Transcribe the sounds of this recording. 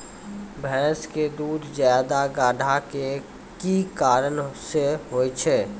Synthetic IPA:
bʱɛ̃ːsked̪uːd̪zjaːd̪aɡaːɖʱake | kikaːɾənseɦoːit͡ʃʰɛː

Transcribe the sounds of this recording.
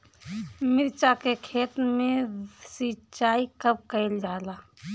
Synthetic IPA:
mɪɾt͡ʃakekʰeːt̪mẽsit͡ʃaːikəb̚kəɪld͡ʒaːla

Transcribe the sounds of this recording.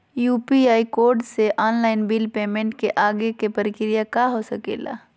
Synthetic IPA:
juːpiaːikoːɾɖseʔɔːnlaːɪnbilpeːmẽɳʈkeʔaːɡekepəɾɪkɾijakaɦosəkḛːla̰

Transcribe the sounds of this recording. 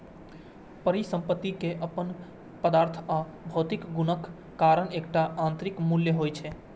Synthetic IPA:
pəɾisə̃mpət̪ːikeʔəpən | pəd̪aːɾt̪ʰa | bʱot̪ɪkɡunəkː | aɾəneːk̚ʈaʔãnt̪ɾikmuljəɦojt͡ʃʰɛ

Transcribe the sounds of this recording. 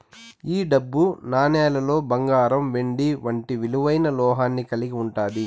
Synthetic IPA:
iːɖɐbːunaːnɛːlɐlo̞ːbɐŋɡaːɾɐmʋeɳɖiʋɐɳʈiʋiluʋɐjnɐlɔːɦaːnːikɐliɡiuɳʈaːd̪i

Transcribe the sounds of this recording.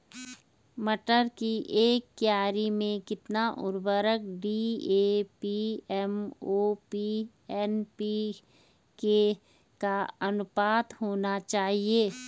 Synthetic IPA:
məʈəɾkiʔeːkːjaːɾimẽkɪt̪naʔʊ̰ɾbəɾək̚ɖieːpiɛmoːpi | ɛːnpi | ke | kaɐnʊpaːt̪hoːnat͡ʃaːɦieː

